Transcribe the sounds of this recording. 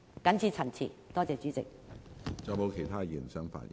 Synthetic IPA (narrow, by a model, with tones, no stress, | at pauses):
kɐ˨˥nt͡sʰiː˧t͡sʰɐ˨˩nt͡sʰḭː˨˩t̪ɔː˥t͡sɛː˨˧t͡ʃyː˨˥t͡sɪ̰˨k̚ | t͡sɔ˨˩mo˨˧wkʰe˨˩jt̪ʰaː˥jiː˨˩nsœː˥ŋfa̰ː˧n̚jḭ˨